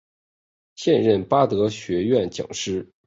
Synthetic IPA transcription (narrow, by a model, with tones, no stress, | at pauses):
ɕjɛ˥˧nɻə˥˩npa˥t̪ɤ˧˥ɕɥɛ˧˥ɥɛ˥˩nt͡ɕjɑ̰˨˩ŋʂɻ̩˥